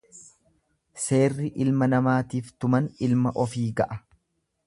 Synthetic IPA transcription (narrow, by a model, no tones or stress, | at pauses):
se̞ːrːɪʔɪlmɐnɐmaːt̪iːft̪ʊmɐnɪlmɐʔɔfiːɡɐʔɐ